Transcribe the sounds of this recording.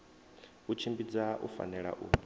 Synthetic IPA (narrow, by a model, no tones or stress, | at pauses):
ut͡ʃʰimbid͡zaʔṵfa̰nɛɺa̰ʔuː